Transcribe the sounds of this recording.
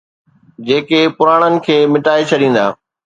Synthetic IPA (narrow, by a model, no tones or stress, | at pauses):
d͡ʑeːkepʊɾaːɽ̃ənɪ̆kʰeːmɪʈaːet͡ɕʰɐɗĩːn̆d̪a̰ː